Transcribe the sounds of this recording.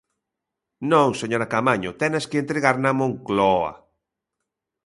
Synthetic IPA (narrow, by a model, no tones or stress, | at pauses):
nõŋseɲoɾakamaɲʊt̪ɛnaskeent̪ɾeɣaɾnamõŋklɔa̰